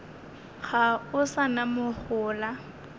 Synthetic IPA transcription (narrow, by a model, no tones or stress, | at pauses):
χʰaʊsanamʊχʊːla